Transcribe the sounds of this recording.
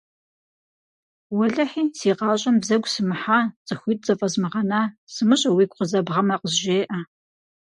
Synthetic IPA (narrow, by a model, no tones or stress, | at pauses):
wɐɮɐħiːsiːqɑːɕʼɐmbzɐɡʷʼsɨmɨħaːt͡sʼɨxʷiːt̚t͡sʼɐfʼɐzmɨʁɐnaːsɨmɨɕʼɐwiːkʷqəzɐbʁɐmɐqəzʒeːʔɐ